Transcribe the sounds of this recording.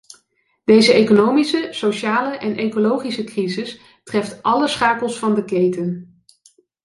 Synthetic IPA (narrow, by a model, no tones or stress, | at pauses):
d̥ejzəejkonowmisəsoʃaːləʔɛnʔejkolowχisəkrizɪs | trɛftʔɑləsχaːkəlˠsfɑndəkejtən